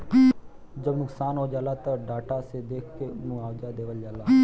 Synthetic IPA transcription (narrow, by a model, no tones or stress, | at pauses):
d͡ʒɐbnʊksaːnɦod͡ʒaːlat̪ɐɖaːʈased̪eːkʰkemũaːwd͡ʒad̪eːʋəld͡ʒaːla